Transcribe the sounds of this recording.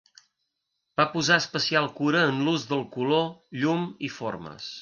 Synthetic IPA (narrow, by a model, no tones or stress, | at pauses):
b̥apuzaəspəsialˠkuɾəːnluzðəlˠkuloʎumifo̰rmə̰s